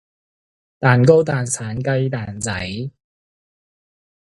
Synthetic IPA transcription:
t̪aː˨nko˥wt̪aː˨nsʰaː˨˥nkɐ˧jt̪aː˨nt͡sɐ̰˨˥j

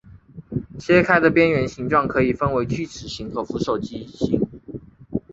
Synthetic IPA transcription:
t͡ɕʰjɛ˥kʰa˥ɪd̪ə˨pjɛ˥nɥɛ˧˥nɕi˧˥ŋʈ͡ʂwɑ˥˩ŋkʰɤ˧˥i˨˩fə˥nwe˧˥ɪt͡ɕy˥˩ʈ͡ʂʰɻ̩˨˩ɕi˧˥ŋxɤ˧˥fu˧˥ʂo˨˩ʊt͡ɕi˥ɕi˧˥˦ŋ

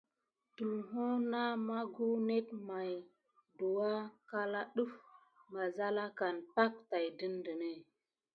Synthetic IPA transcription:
tu˨lɦo˦na˦ma˦ɡu˦ne˦t̚ma˨j | du˨wa˦ka˦la˦ɗu˦f | ŋa˨za˦la˦ka˨npa˦k̚ta˨jdə˦ndə˨ne˦˨

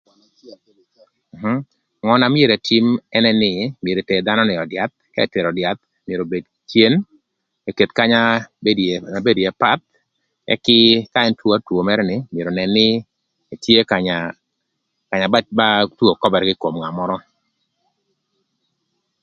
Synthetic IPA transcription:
m̩˨ɦ̩˦ | ŋɔ˦na˨mje˨ɾe˨tʰi˦mɛ˦nɛ˦nɪ˦˨mje˨ɾe˨te˨d̪a˦nɔ˦nɪ˨ɔ˨dja˨˦t̪̚ka˦ɛ˨te˨ɾɔ˨dja˨t̪̚ | mje˨ɾo˨be˨d | tje˦n | e˨ke˨t̪ka˦ɲa˦˨ | be˦dje˨pa˦t̪̚ | ɛ̰˦kɪ˦ka˦ɛ˦ntwo˦a˦two˨mɛ˦ɾɛnɪ˨mje˨ɾo˨nɛ˨nːɪ˦ | e˨tje˦ka˨ɲa | ka˨ɲa˨ba˦ba˦two˨kɔ˦bɛ˨ɾɡɪ˦ko˨mŋa˨mɔ˦ɾɔ˦

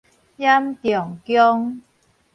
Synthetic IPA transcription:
jɐ˦˥mt̪jɔ˨˩ŋkjɔ˦˥ŋ

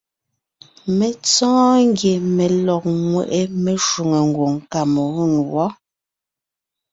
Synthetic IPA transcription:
me˨t͡sɔ̃ː˦ŋ˦ɡje˨me˨lɔ˨k̚ŋwe˨ʔe˦me˨ʃu˨ŋe˨ŋ˨ɡwo˨ŋka˨mo˨ɣu˦˨ŋ˨wɔ˦

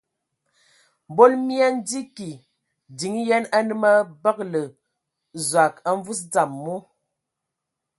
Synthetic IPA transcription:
m˨bo˦lmi˦a˦n̩˦di˦ki˨ | di˨ŋi˦jɛ˦na˦nɨ˦ma˦bə˦k̚lə˨ | za˨ka˦ɱ˦vu˦sd͡za˨mːu˦

